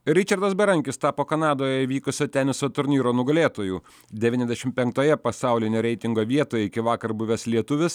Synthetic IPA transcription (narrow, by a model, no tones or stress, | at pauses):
ɾʲɪt͡ʃʲɐɾd̪ɐsbʲɛɾɐŋʲkʲɪst̪ɑːpoːkɐnɑːd̪oːjɛiʋʲiːkʊsʲoːt̪ʲɛnʲɪsoːt̪ʊɾʲnʲiːɾoːnʊɡɐlʲeːt̪oːjuː | d̪ʲɛʋʲiːnɛzʲd̪ʲɛʃʲɪmpʲɛŋk̚t̪oːjɛpɐsɑˑʊlʲɪnʲeːɾʲɛɪt̪ʲɪŋɡoːʋʲiɛt̪oːjɛɪkʲɪʋɑːkɐɾbʊʋʲɛslʲiɛt̪ʊʋʲɪs